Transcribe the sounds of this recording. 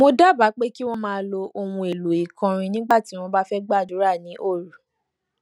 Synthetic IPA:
mo˧da˦˨ba˨˦k͡pe˦ki˦w̃ɔ̃˦mãː˦˧˦lo˧ʔo˧wũ˧e˨lu˨i˨kã˧ɾ̃ĩ˧nĩ˦ɡ͡ba˦˨ti˨˦w̃ɔ̃˧ba˦fɛ˦ɡ͡ba˦˨du˨˦ɾa˦˨nĩ˨˦ʔo˦˨ɾu˨

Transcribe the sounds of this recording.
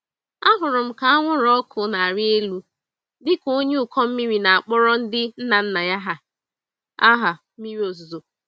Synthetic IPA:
a˦ɦʊ˨ɾʊ˨m̩˦ka˨˦a˦ŋʷʊ˦ɾɔ˦kʰʊ˨na˨a˨ɾɪ˦e˦lu˦ | dɪ˦ko˦ɲe˦ʊ˨kɔ˦m̩˦mi˦ɾi˨na˨a˨k͡pɔ˦ɾɔ˦n̩˦dɪ˦n̩˦na˨n̩˦na˨ja˦ɦa˦ | a˦ɦa˨ | mi˦ɾi˦o˨zo˨zo˨

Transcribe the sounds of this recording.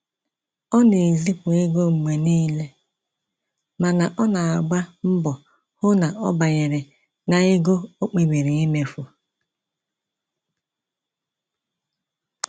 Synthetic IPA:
ɔ˦ne˨zi˦pʊ˨ɪ˦ɡo˦ŋ͡m̩˨me˨niː˦le˦ | ma˨na˨ʔɔ˦na˨a˨ɡ͡ba˦m̩˦bɔ˨ | hʊ˦na˨ʔɔ˦ba˨ɲe˨ɾɪ˨ | na˨ɪ˦ɡo˦o˦k͡pe˨ɡ͡bi˨ɾi˨i˦me˨fu˨

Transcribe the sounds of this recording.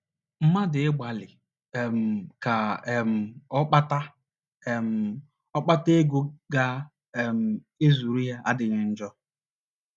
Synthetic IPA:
m̩˦ma˦dɪ˨ɪ˦ɡ͡ba˨lɪ˨ | m̩˨ka˨m̩˨ɔ˦k͡pa˦ta˦˨ | m̩˨ | ɔ˦k͡pa˦te˦ɡo˦ɡa˦˨ | m̩˨ | e˦zu˨ɾu˦ja˦ʔa˦dɪ˨ɣɪ˦n̩˦d͡ʒɔ˦

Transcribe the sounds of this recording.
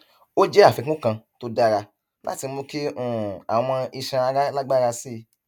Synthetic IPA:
o˦d͡ʒɛ˦a˦˨fi˧kũ˦kã˧to˦da˦˨ɾa˧ | la̰˦ti˧˦mõ˧ki˦ũ˦˨a˨w̃ɔ̃˧i˧ʃã˧a˧ɾa˦la˦ɡ͡ba˦˧ɾa˧si˦˨˧

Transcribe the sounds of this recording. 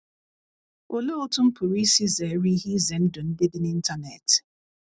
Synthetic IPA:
o˨le˦o˦tʊ˦m̩˦pʊ˨ɾi˦si˦ze˨˦ɾi˦ɦi˦ze˨n̩˦dʊ˨n̩˦dɪ˦dɪ˦ni˦n̩˦ta˦ne˨t

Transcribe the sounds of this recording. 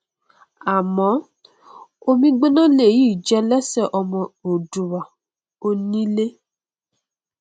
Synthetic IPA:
a˨mɔ̃˨˦ | o˦mĩ˦ɡ͡be˦nã˦le˦˨ji˦˨d͡ʒɛ˧˦lɛ˦sɛ˦˨ʔɔ˧mɔ̃˧o˨du˨wa˨ | o˧nĩ˦le˦

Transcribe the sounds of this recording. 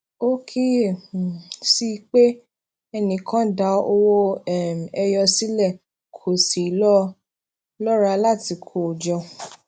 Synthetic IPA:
o˦kʰi˦˨ | si˦˧k͡pe˦ | ɛ˧nĩ˧kʰã˦da˨˧o˧wo˦ɛ˦˨ɛ˧jɔ˧si˦lɛ˦˨ | kʰo˨si˨˦lɔ˦ | lɔ˦ɾa˧la˦˨ti˧˦kʰo˨d͡ʒɔ˧

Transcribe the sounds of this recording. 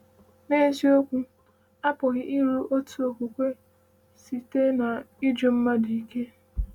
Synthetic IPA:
meː˦zi˦o˦kʷu˦ | a˦pʊ˨ɣɪ˦ʔɪ˦ɾu˦ʔo˦tʰu˦o˨kʷu˨kʷe˦ | si˨te˦na˨ɪ˦d͡ʒo˦m̩˦ma˦di˨i˦˨ke˦

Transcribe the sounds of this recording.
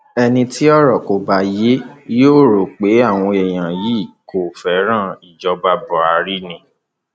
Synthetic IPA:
ɛ˧nĩ˧ti˦ɔ˦˨ɾɔ˦˨ko˨ba˨˦je˦joː˦˨ɾo˨k͡pe˨˦a˦˨w̃ɔ̃˧ɛ˨j̃ã˨ji˨˦˨ko˨fɛ˨˦ɾ̃ã˦˨i˨d͡ʒɔ˧˦ba˧bɔ˨a˧ɾi˦nĩ˧˦

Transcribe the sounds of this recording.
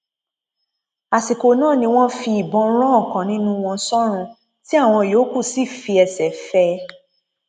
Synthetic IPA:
a˨si˨ko˨nãː˦˨nĩ˧w̃ɔ̃˦fi˧i˨bɔ̃˧˦ɾ̃ɔ̃˦˨kã˨nĩ˦nũ˦w̃ɔ̃˧sɔ˦ɾ̃ũ˧ | ti˦a˦˨w̃ɔ̃˧˨joː˨˦ku˦˨si˦˨fi˧ɛ˧sɛ˨fɛ˦

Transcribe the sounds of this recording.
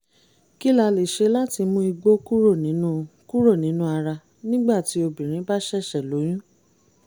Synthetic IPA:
ki˦la˧le˨ʃe˧˦la˦ti˧mũ˦i˧ɡ͡bo˦ku˦ɾo˦˨nĩ˨˦nũ˦ku˦ɾo˦˨nĩ˨˦nũ˦a˧ɾa˧ | nĩ˦ɡ͡ba˦˨ti˨˦o˧bĩ˨ɾ̃ĩ˨˦ba˦ʃɛ˦˨ʃɛ˨lo˨˦j̃ũ˦

